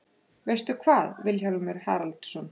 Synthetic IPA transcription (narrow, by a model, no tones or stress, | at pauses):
vejst̪ʏkʰvaːðvɪlçaɾʏmjɛɾ̥ha̰ːɾalt̪sɔn